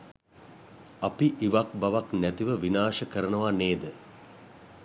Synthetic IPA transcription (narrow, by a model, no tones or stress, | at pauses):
apiʔiʋakbaʋaknæt̪iʋəʋinaːʃəkəɾənəʋaneːd̪ə